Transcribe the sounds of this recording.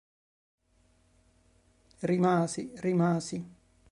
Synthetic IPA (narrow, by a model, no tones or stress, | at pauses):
rimaːsirimaːsi